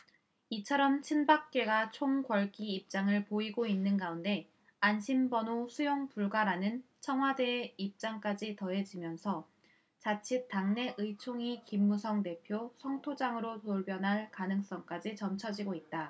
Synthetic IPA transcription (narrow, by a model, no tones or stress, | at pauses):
it͡ɕʰʌɾʌmt͡ɕʰinbak̚k͈e̞ɡat͡ɕʰoŋɡwʌɭɡiːp̚t͡ɕ͈aŋɯɭpoiɡoinːɯnɡaunde̞ | anɕʰimbʌnosʰujoŋpuɭɡwaɾanɯnt͡ɕʰʌŋɦwadeːip̚t͡ɕ͈aŋk͈ad͡ʑitʌe̞d͡ʑimjʌnsʰʌ | t͡ɕat͡ɕʰitaŋne̞ʔɯit͡ɕʰoŋikimːusʰʌŋte̞pʰjosʰʌŋtʰod͡ʑaŋɯɾonoɭbjʌnɦaɭkanɯŋs͈ʌŋk͈ad͡ʑit͡ɕʌmt͡ɕʰʌd͡ʑiɡoit̚t͈a